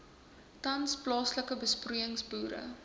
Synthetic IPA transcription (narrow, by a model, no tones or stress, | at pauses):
tɐnsplɑːsləkəbəspruəŋsbuːɾə̰